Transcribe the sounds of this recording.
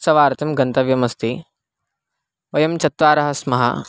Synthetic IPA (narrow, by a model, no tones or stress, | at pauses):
sɐʋaːɾɐt̪ɐmɡɐnt̪ɐʋjɐmɐst̪i | ʋɐjɐmt͡ʃɐt̪ʋaːɾɐɦɐsmɐɦɐ̰